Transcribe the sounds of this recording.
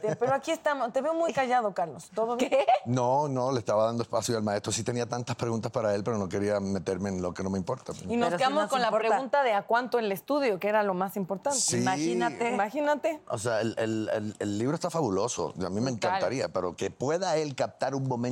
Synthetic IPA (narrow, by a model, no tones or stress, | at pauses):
t̪epe̞ɾoakie̞st̪amost̪eβe̞omujkaʝað̞o̞kaɾlo̞st̪oðoenonolest̪aβaðand̪oespasjoalmaest̪ɾosit̪eniat̪ant̪aspɾeɣunt̪aspaɾae̞lpe̞ɾo̞no̞ke̞ɾiame̞t̪e̞ɾmeːnlo̞ke̞no̞meimpo̞ɾt̪ainoskeaamoskonlaɾeɣunt̪aðeakwant̪oenlest̪uðjo̞keeɾalo̞masimpo̞ɾt̪ant̪seimaxinatemaxinat̪eo̰seaeleleelːiβɾoest̪afaβulo̞so̞̰a̰mimẽŋkant̪aɾiape̞ɾo̞ke̞pwe̞ðae̞lkap̚t̪aɾunmo̞mẽ